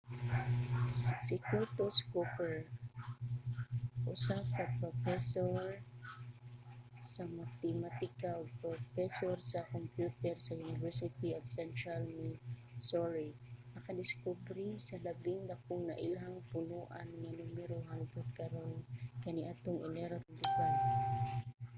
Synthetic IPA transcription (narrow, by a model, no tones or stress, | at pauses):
sɪkut̪oskupɛɹ | ʔʊsakapɾofɛsoɹ | samat̪ɛmat̪ɪkalpɾofɛsoɾsakompjut̪ɛɾsajunɪvɛɹsɪt̪iat̪sɛnt̪ɾalnisoɹinɐkad̪ɪskubɾisalabɪŋd̪akʊŋna̰ʔilaɦaŋpʊnuʔanŋanumɛɾoɦand̪ɛd̪̚kaɾonkaniʔaːt̪ʊŋɪnɛɾat̪d̪ɪkal